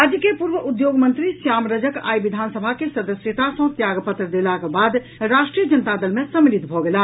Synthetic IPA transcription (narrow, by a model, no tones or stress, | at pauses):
ad͡ʒəkepuɾbəʔud̪joɡmənt̪ɾisjamɾəd͡ʒəka̰jbid̪ʱansəbʱakesəd̪əsjət̪asə̃t̪jaɡpət̪ɾəd̪elakebad̪ | ɾasʈɾijəd͡ʒənət̪ad̪əlmesəmɾid̪bʱɔɡela